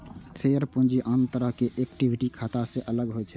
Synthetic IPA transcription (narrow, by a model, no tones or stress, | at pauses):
sʰeəɾpũnd͡ʒiʔənt̪əɾəɦkeʔekʈibʱiʈikʰat̪asẽʔələɡɦot͡ʃʰɛ